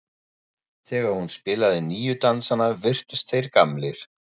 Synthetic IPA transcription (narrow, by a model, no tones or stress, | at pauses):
θɛːɣaɾhunspɪːlaðɪniːjʏt̪ansanavɪr̥t̪ʏst̪θejɾkamlɪɾ̥